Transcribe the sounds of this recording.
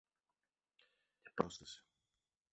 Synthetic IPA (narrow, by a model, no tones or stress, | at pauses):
i̥pɾost̪esi̥